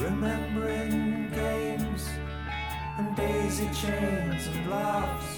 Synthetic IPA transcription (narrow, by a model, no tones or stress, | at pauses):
ɹɨmɛ̃mbə˞ɪ̃ŋɡẽɪ̃mz̥ | ɨ̃ndeɪzit͡ʃʰẽɪ̃nzɨ̃nlʌvz̥